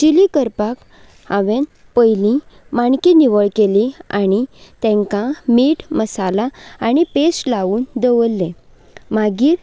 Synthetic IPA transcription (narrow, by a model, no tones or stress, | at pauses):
t͡ɕilikəɾpak | aʋẽn | pəjlĩ | maɳkiniʋəɭkeliaɽ̃it̪ɛ̃ŋkãmiːʈməsalaaɽ̃ipeslaʋuːnd̪əʋəlːẽ | maɡiːɾ